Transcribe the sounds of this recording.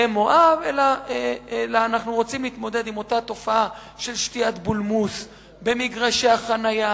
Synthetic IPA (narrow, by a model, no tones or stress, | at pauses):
emo̞ʔavelaeelaːnaχnuʁo̞t͡simliːt̪mo̞d̪e̞d̪imo̞tat̪o̞faa | ʃe̞lʃtiat̪bulmus | be̞miɡʁaʃeaχanaja